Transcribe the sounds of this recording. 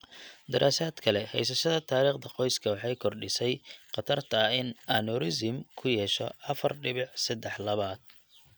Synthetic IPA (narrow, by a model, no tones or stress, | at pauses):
d̪ɪɾʔaːsaːd̪kʰɐlɛhɛjs̬ɐʃɐðɐt̪ʰaːɾiːχd̪ɐqɔjskʰɐwɑħɑjkʰɔrɖɪsɛjqɑt̪ʰɐrt̪ʰɐɪnɐnɔɾɪsɪmkʰʊjɛːʃɔ̰ʔɐfɐrɖɪβɪħsɐd̪ɛħlɐβaːd̪̥̚